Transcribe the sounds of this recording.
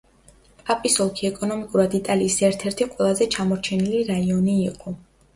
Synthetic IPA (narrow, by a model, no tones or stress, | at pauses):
pʼapʼisɔlˠkʰiɛkʼɔnɔmikʼuɾad̪it̪ʼaliːsɛɾt̪ʰɛɾt̪ʰiqʼwɛlˠazɛt͡ʃʰamɔɾt͡ʃʰɛniliɾaiɔniːqʼɔ